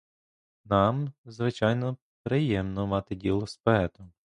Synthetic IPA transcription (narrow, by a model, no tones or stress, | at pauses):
nɑmzʋɪt͡ʃɑjnɔ | pɾɪjɛmnɔmɑt̪ɪdʲilˠɔspɔɛt̪ʊ